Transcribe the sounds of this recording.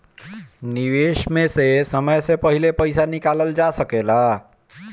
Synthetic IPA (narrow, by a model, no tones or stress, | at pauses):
niʋeʃmesesəməjsepəɦilepəjsanikaləld͡ʒasəkela